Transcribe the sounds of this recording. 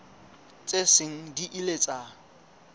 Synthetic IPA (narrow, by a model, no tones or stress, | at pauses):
t͡sʼesɪŋ̩diʔilet͡sʼa